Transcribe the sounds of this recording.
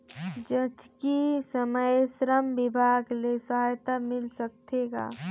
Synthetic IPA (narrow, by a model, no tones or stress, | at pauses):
d͡ʒət͡ʃkisəməjsɾəmʋɪbʱaːɡlesɐɦaːjt̪amɪlsək̚t̪eːɡa̰ː